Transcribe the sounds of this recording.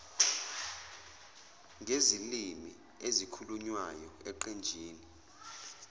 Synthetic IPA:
ŋʱezilimi | ezikʰuluɲwajɔɛǃɛnd͡ʒʱiːni

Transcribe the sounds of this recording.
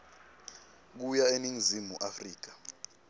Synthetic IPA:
k̬ujaeniŋizimuʔafriːk̬ḁ

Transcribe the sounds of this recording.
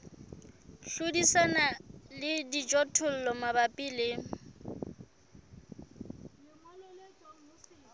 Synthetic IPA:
ɬʊdisanalɪdid͡ʒʼɔtʰʊl̩lɔmabapʼilɪ

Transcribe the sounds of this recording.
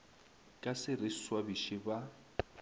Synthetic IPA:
kʼasɪrɪswabiʃɪba

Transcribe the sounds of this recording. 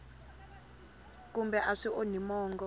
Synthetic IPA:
k̬ʼumbɛʔaʂiʔonimɔːŋɡɔ

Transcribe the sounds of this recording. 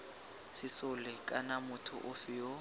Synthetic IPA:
sɪsʊlɪkʼanamʊtʰʊ̰ʔʊfɪjo

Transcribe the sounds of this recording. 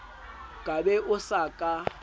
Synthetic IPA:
kʼabɛʔʊsakʼa

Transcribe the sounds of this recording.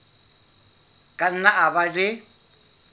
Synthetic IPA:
kʼan̩naaβaɺɪ

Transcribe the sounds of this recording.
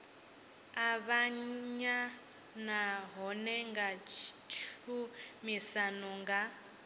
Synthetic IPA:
aβaɲa | naɦɔnɛŋɡat͡ʃt͡ʃʰumisanɔŋɡa

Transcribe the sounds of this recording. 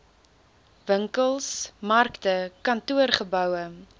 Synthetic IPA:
vəŋkəlˠsmɐrktəkɐntuərχəbœwə

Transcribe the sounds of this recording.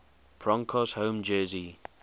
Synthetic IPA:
pʰɹɔ̃ŋkʰɔshə̃ʊ̃md͡ʒɜːzi

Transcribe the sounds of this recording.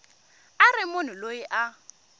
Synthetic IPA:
arɪmonɪloiʔa

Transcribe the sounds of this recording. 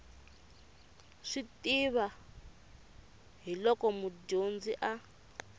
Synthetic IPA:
ʂitiβa | ɦilɔkɔmuɟond͡ziʔa

